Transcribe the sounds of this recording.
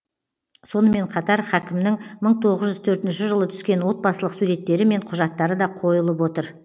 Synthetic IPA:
so̞nəme̞ɴqʰɑt̪ɑɾχækʲɪmnɪŋməɴt̪ʰo̞ʁəzʒʏzt̪ʰɵɾt̪ɪnʃɪʒəlˠət̪ʰʏ̥skʲe̞nwo̞t̪̚bɑsəlˠəqsuɾe̞t̪ːe̞ɾɪme̞ɴqʰʊʒɑt̪ːɑɾəd̪ɑqʰo̞jəlˠəp̬wo̞t̪əɾ

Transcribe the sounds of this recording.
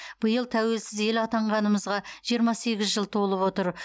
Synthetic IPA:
b̥əjəlˠt̪ʰæwe̞lsɪze̞lɑt̪ɑɴʁɑnəməzʁɑʒ̥ijəɾmɑse̞ɡʲɪzʒəlˠt̪ʰo̞lˠəpwo̞t̪əɾ

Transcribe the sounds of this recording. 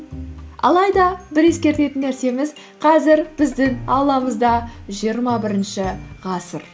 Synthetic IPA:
ɑ̰lˠɑjd̪ɑbɪɾe̞skʲe̞ɾt̪e̞t̪ɪnːæɾse̞mɪz | qʰɑzɪɾbɪzd̪ɪŋɑwlˠɑməzd̪ɑʒijəɾmɑbɪɾɪnʃɪʁɑsəɾ

